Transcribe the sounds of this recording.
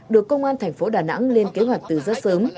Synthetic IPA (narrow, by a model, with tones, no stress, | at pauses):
ɗɨ˨˩əkːə˧wŋ͡mʔaː˧nt̪ʰɛ˨˩jŋ̟fo˨˦ɗaː˨˩na̰˧˥ŋle˧nke˨˦ɦwa˨˩jk̟̚t̪ɨ˨˩zɔː˧˦səː˨˦m